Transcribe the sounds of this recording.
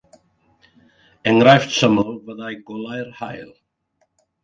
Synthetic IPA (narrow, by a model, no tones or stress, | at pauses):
ɛŋɾajft̪səməlvəðajɡɔlajɾha̰jl